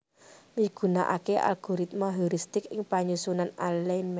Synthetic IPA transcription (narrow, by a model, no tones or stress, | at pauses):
miɡ̥ṳna̰ʔa̰keʔa̰lɡ̥ɔ̤ɾit̪̚mɔɦuɾist̪ɪkɪŋpaɲusunanalɛnm